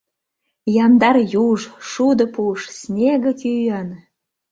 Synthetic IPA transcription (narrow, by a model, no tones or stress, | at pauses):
jɑnd̪ɑrjuʒʃud̪ə̆puʃsnʲeɣə̆t̪ʲyjə̆n